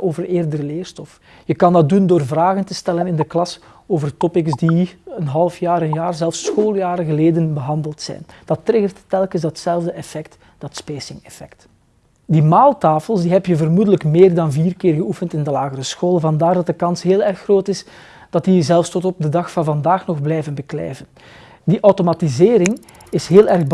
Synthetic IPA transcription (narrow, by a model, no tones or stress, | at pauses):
ʔoːvəreːrdəɾəleːrstɔf | jəkɑndɑt̚dundoːrvraːɣəntəstɛlənɪndəklɑs | oːvərtɔpɪksdiənɦɑlˠəfjaːɾənjaːrzɛlˠfsːxoːlˠjaːɾəɣəleːdənbəɦɑndəlˠtsɛ̰jnd̥ɑtːɾɪɣərtːɛlˠkəzdɑtsɛlˠvdəʔɛfɛkt | d̥ɑtspeːsɪŋɛfɛkt | dimaːlˠtaːfəlˠsdiɦɛpjəvərmudələkmeːrdɑnviːrkɪːrɣəufəntɪndəlaːɣəɾəsxoːlˠəvɑndaːrdɑt̚dəkɑnsɦeːlˠɛrxːroːtɪs | d̥ɑt̚dizɛlˠfstɔtɔp̚dədɑxfɑnvɑndaːxnɔɣblɛjvənbəklɛ̰ːvən | diʔɔwtomatizeːɾɪŋ | ɪsɦeːlˠɛrɣb